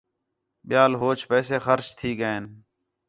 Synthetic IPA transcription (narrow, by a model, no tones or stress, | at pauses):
ɓɪjaːlɦoːt͡ʃpɛːseːxəɾt͡ʃt̪ʰiːɡəeːn